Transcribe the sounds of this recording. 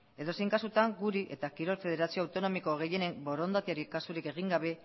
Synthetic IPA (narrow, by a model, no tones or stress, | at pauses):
e̞ðo̞se̞jŋkasut̪aŋɡuɾiʔe̞t̪akiɾo̞lfe̞ðe̞ɾasio̞awt̪o̞no̞miko̞ɣe̞je̞ne̞mbo̞ɾo̞nd̪at̪iaɾikasuɾike̞ɣ̞iŋɡaβ̞e̞